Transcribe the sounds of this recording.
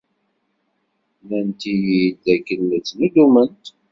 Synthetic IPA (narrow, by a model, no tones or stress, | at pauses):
mænt̪ijid̪ækːənːət͡sːnud̪umənt̪